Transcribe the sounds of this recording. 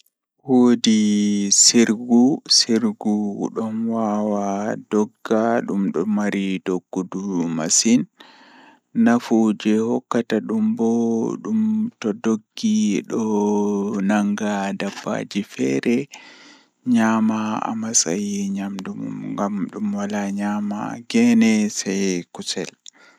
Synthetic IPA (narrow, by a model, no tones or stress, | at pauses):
wodisiɾɡusiɾɡuɗɔnwawadɔɡːaɗumɗɔmaɾidoɡːuduma̰sin | afud͡ʒɛhɔkːataɗumbɔɗumtɔdoɡːiɗɔ | naŋɡadabːa̰d͡ʒifɛɾɛ | ɲamaa̰masa̰jiɲamdumṵmŋɡamɗumwalaɲama̰ɡɛnɛsɛjkusɛl